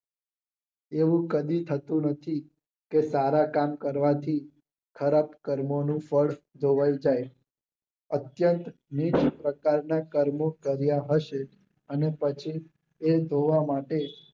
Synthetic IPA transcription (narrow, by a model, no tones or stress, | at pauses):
eʋũkəd̪it̪ʰət̪ũnət̪ʰi | kesaɾakamkəɾʋat̪ʰi | kʰəɾapkəɾmonũfəɭs | d̪ʱoʋajũd͡ʒaj | ət̪jənt̪ | nit͡ʃpɾəkaɾnakəɾmokəɾjaɦəʃe | ənepət͡ʃʰi | ed̪ʱoʋamaʈe